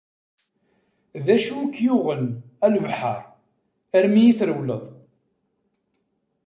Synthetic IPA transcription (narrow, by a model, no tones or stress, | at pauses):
ðæʃukːjuʁənælvħə̰ɾˤ | æɾmijiθɾəwləðˤ